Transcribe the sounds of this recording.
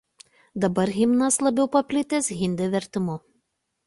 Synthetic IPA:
d̪ɐbɐɾɣʲɪmnɐslˠɐbʲɛʊpɐpʲlʲɪt̪ʲɛsɣʲɪnʲd̪ʲɪʋʲɛɾʲt̪ʲɪmʊ

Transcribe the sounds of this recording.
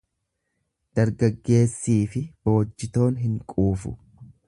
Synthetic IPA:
d̪̥ɐɾɡɐɡːe̞ːsːiːfɪb̥o̞ːd͡ʒːɪt̪o̞ːnɦɪŋkʼuːfʊ̰

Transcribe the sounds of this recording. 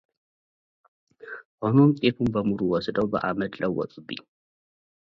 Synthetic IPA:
ʔonomt̪ʼefumbɐmuɾuwɔsɨd̪owbɨʔa̰mɐd̪lɐwːɔ̰t͡sʼɨbḭ

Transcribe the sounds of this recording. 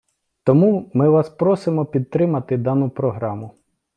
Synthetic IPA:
t̪ɔmumɪʋɑspɾɔsɪmɔpʲid̪̚t̪ɾɪmɐt̪ɪd̪ɑnʊpɾɔɦɾɑmʊ

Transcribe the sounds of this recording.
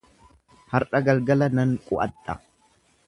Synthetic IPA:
hɐɾɐɡɐlɡɐlɐnɐŋkʼʊʔɐ̰t̪ʼːɐ̰

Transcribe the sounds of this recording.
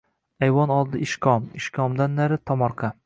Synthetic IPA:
ajwɒnɒlˠd̪ɪɪʃkʲʰɒmɪʃkʰɒmd̪anːaɾɪt̪ʰɒmɒɾqʰɑ

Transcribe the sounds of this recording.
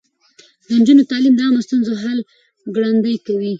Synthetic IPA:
d̪ənd͡ʒunot̪ɑlimd̪əɑmost̪unzoɦal | ɡɽand̪əjkawi

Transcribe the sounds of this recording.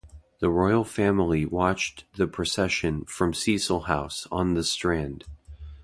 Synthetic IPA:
ðəɹɔɪl̩ˠfæ̃ml̩ˠiwɑt͡ʃðɨpʰɹ̥ɨsɛʃɨ̃nfɹʌ̃msisl̩ˠhaʊsn̩ðɨstɹ̥æ̃nd̥

